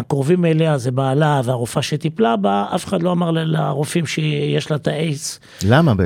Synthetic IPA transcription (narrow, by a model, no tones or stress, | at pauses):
akʁovimeleazebaːlaveaʁofaʃet̪iplabaafe̥χad̪lo̞amaʁllaʁofimʃejeʃlat̪aʔet͡s | lamabe